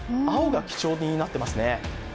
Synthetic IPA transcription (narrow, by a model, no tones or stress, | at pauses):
aoɡakʲi̥t͡ɕo̞ːɲʲinat̪ːe̞masɨne̞